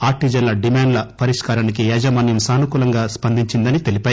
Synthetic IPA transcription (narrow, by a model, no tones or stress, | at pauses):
aːɾ̚ʈid͡ʒɐnlɐɖimaːɳɖlɐpɐɾiʂkaːɾaːnikiɛːd͡ʒɐmaːnjɐmsaːnukuːlɐŋɡaːspɐnd̪ʱiɲt͡ʃind̪ɐnit̪e̞lipɐːji